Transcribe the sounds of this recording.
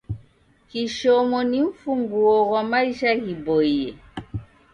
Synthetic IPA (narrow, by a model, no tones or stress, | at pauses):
kiʃɔmɔnim̩fuŋɡuɔɣwamaiʃaɣibɔiɛ